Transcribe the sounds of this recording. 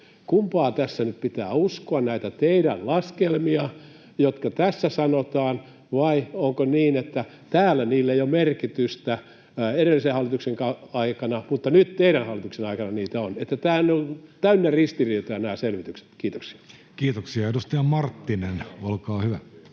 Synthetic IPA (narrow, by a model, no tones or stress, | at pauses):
kumpɑːt̪æsːænyppit̪æːuskoɑnnæit̪æt̪eiɾællɑskelmiɑ | jot̪kɑt̪æsːæsɑnot̪ɑːn | ʋɑioŋkoniːnet̪ːæ | t̪æːlːæniːlːeijomerkit̪yst̪æ | eɾelːisehɑlːˑit̪ukseŋkɑɑikɑnɑmut̪ːɑnyt̪t̪eiɾænhɑlːit̪uksenɑikɑnɑniːt̪æonet̪ːæt̪æːnːont̪æynːerist̪iriːt̪ojɑnæːselʋit̪ykse̥t̪kiːt̪oksi̥ɑ̥ | kiːt̪oksiɑedust̪ɑjɑmɑrt̪ːinenolkɑːhyʋæ